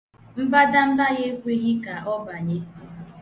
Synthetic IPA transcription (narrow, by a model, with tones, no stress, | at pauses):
m̩˦ba˦da˦m̩˦la˦ɣe˦kʷe˦ɣi˦ka˨ɦɔ˦ba˨ɲe˦˨